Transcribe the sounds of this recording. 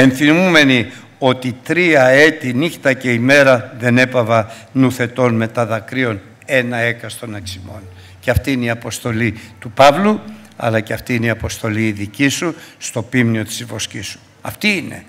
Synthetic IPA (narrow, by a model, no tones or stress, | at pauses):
e̞nθimume̞ni | o̞t̪it̪ɾiɐe̞t̪inixt̪ɐce̞ime̞ɾɐðe̞ne̞pɐvɐ | nuθe̞t̪o̞nme̞t̪ɐðɐkɾio̞n | e̞nɐe̞kɐst̪o̞nɐksimo̞̰n | ceɐft̪iineiɐpo̞st̪o̞lit̪upɐvlu | ɐ̰lɐceɐft̪iineiɐpo̞st̪o̞liːðicisust̪o̞pimnio̞t̪i̥zvo̞scisu̥ | ɐft̪iine̞̰